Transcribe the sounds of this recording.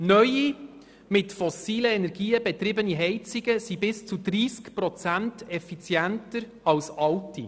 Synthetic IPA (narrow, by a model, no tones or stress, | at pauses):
nœji | mɪtfɔsiːləɛnɛɾɡiːəbɛt̪ɾɪbəniɦɛɪt͡sɪɡəsibɪst͡sud̪ɾiːskpɾɔt͡sæntɛfit͡sjæntəɾ | ɑwsɑwti